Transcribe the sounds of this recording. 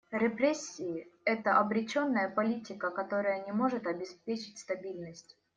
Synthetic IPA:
ɾʲɪpɾʲesʲːɪɪɛt̪əʔɐbɾʲɪt͡ɕo̞nːəjəpɐlʲitʲɪkəkɐt̪o̞ɾəjənʲɪmo̞ʐɨt̪ɐbʲɪspʲet͡ɕɪ̥tʲst̪ɐbʲilʲnəsʲtʲ

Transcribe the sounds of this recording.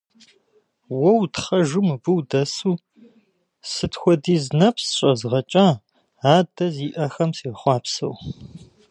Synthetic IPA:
wɐwtχɐʒɨmbɨwdɐsuː | sɨtxʷɔdiːznɐpsɕʼɐzʁɐt͡ʃʼaː | aːdɐziːʔɐxɐmsiːχʷɑːpsɐ̰w

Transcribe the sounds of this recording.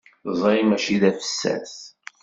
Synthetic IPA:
zˤɾimæʃiðæfə̥sːæ̰θ

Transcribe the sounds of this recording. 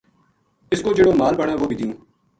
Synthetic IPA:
ɪskoːd͡ʒɪɽoːmaːlbəɽãːʋoːbʱid̪ijũː

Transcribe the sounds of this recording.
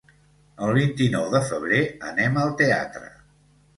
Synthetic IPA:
əlˠβ̞int̪inɔwðəfəβ̞ɾeənɛməlˠt̪ea̰t̪ɾə̰

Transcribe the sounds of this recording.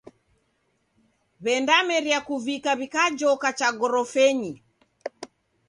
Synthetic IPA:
βɛndamɛɾjakuvikaβikad͡ʒɔkat͡ʃaɡɔɾɔfɛɲi

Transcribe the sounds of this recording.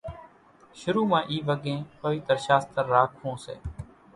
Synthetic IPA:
ʃʊɾuːmãːʔiːʋəɡẽːpəʋɪt̪ɾʃaːst̪əɾːaːkʰɦõːsḛː

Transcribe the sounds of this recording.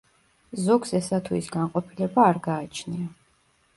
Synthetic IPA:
zɔɡsɛsat̪ʰuisɡaɴqʼɔpʰilɛbaːɾɡaːt͡ʃʰnia

